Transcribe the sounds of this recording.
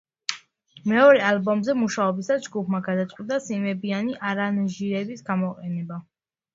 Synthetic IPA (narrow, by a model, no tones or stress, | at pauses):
mɛɔɾɛalbɔmzɛmuʃaɔbisasd͡ʒɡupʰmaɡad̪at̪sʼqʼwid̪ʼasimɛbianiʔaɾanʒiɾɛbisɡamɔqʼɛnɛba